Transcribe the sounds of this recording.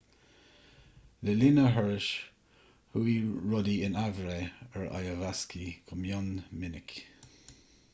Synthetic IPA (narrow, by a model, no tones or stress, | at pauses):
lɪlinəɦɛɹɪʃ | huiɹɔdiɪnavɾeɛɹa̰jəvaskikʰʊmjɔnmɪnɪk